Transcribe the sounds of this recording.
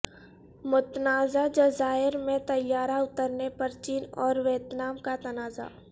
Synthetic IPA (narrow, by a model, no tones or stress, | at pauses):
mʊt̪naːzad͡ʒəzaːɪɾmẽt̪əjːaːɾaʊt̪əɾnepɐɾt͡ʃiːnɔːɾʋeːt̪naːmkat̪ɐnaːza̰ː